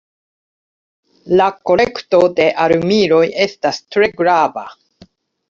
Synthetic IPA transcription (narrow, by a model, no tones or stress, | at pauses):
lako̞le̞kto̞de̞ʔaɾumiɾo̞je̞stastɾe̞ɡɾava̰